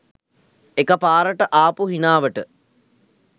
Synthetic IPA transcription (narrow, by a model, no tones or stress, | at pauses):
ekəpaːɾəʈəʔaːpuɦinaːʋəʈə